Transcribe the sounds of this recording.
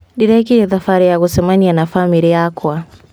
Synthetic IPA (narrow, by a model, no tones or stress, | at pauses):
diɾɛkiɾɛðafaɾijaɣusɛmanianafamiɾijakwa